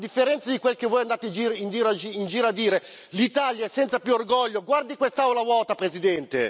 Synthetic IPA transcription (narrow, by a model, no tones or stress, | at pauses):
d̪ifːeɾɛnt̪sad̪ikwelkevːɔjand̪aːt̪ed͡ʒiɾind̪iːɾind͡ʒiːɾad̪ːiːɾe | lit̪aljaɛsːɛnt̪sapjuorɡɔʎːoɡward̪ikwest̪awlavɔːt̪apɾezid̪ɛnt̪ḛ